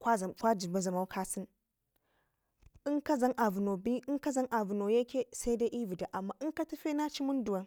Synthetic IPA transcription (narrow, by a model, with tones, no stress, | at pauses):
kʷa˦˨kʷa˦d͡ʒi˨ba˦za˨ma˦wkʰa˦si˦n | i˦ŋka˦za˦nʔa˨vu˨no˨bi˦i˦ka˦za˦nʔa˨vu˨no˨je˦kʲe˦sa˦i˦da˦ʔi˦vi˨da˨ʔa˨mːa˦ʔɨ˦ŋka˦tu˦fe˦na˦t͡ʃi˦mu˦n˦du˨wa˨n